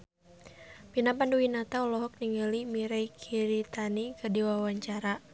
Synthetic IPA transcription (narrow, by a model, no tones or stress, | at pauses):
pinapanduwinat̪aɔlɔɦɔk̚niŋəlimiɾɛjkʰiɾit̪anikədiwawaɲt͡ʃaɾa